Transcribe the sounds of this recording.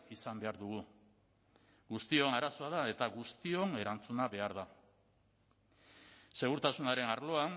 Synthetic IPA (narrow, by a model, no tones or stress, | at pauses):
isambe̞aɾðuɣ̞u | ɣust̪io̞naɾaso̞að̞ae̞t̪aɣust̪io̞ne̞ɾant͡sunaβe̞aɾða | se̞ɣ̞uɾt̪asunaɾe̞naɾlo̞an